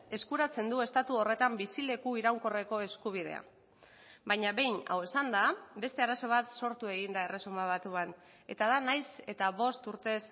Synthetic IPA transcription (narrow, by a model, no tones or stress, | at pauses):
e̞skuɾat͡se̞nd̪ue̞st̪at̪uo̞re̞t̪ambisile̞kuiɾawŋko̞re̞ko̞e̞skuβ̞ið̞e̞̰a̰ | bajɲaβe̞jna̰we̞sand̪abe̞st̪e̞aɾaso̞β̞at̪so̞ɾt̪ue̞ɣind̪ae̞re̞sumaβ̞at̪uan | e̞t̪aðanajse̞t̪aβo̞st̪uɾt̪e̞s